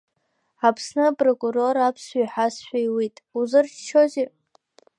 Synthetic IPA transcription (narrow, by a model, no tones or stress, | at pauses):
apʰsnɨpʼrokʼuro̞ɾapʰsajħasʃʷᶣajwitʼuzɨrt͡ʃt͡ʃʰoze